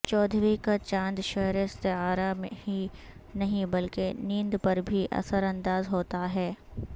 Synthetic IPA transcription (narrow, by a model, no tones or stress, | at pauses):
t͡ʃɔːd̪ʱɾikat͡ʃãːnd̪ʃɛɦɾeɪst̪ɪɦaːɾameɦinɐɦĩbɐlkenĩːnd̪pɐɾbʱiʔɐ̰səɾɐ̃nd̪aːzɦoːt̪aɦɛː